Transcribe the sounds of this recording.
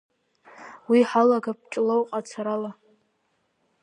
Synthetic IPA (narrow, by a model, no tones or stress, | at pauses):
wiħalaɡap̚ʰt͡ʃʼlowqʼat͡sʰaɾala